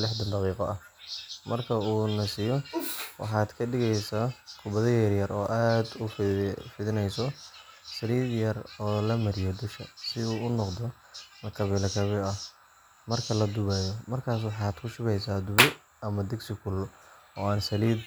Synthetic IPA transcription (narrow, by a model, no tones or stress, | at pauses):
lɪħd̪ɐnd̪ɑqiːqɔʔɐh | mɐrkʰɐuːnɐsɪjɔwɑ̰ħɑːd̪kʰɐɖɪɣɛjsaːkʰʊbɐðɐjɐrjɐrɔːʔaːd̪ʊfɪðɪnɛjsɔ | sɐliːd̪jɐrɔːlɐmɐɾɪjɔd̪ʊʃkɐsɪuːʊnɔqd̪ɔ | nɐkʰɐβɛlɐkʰɐβɛɐ | mɐrkʰɐlɐd̪ʊβaːjɔmɐrkʰaːs̬wɑħɑːd̪̥kʰʊʃʊβɛjsaːd̪ʊβɛ | ɐmɐd̪ɪɡsɪkʰʊl | ɔːaːnsɐliːd̪